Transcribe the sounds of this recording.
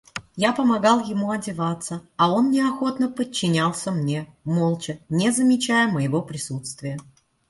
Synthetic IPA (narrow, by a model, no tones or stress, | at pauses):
japəmɐɡɑlˠjɪmuɐdʲɪvat̪sːəɐo̞nːʲɪɐxo̞t̪nəpət͡ɕːɪnʲalˠsʲəmnʲemolˠt͡ɕɪnʲezəmʲɪt͡ɕæjəməjɪvo̞pɾʲɪsut̪st̪vʲɪjə